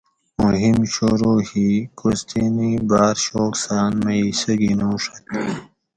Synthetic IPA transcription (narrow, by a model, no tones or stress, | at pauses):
muɦimɕoɾoːhikost̪inibaːɾɕoːksaːnmɐisɐɡinõːʂɐt̪